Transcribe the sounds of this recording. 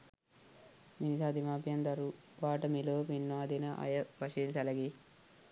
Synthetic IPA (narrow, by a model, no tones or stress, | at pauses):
minisaːd̪imaːpjɐnd̪ɐɾu | ʋaːʈɐmiloːpinːaːd̪inɐʔɐ̰jɐʋɐʃinsɐlɐɡi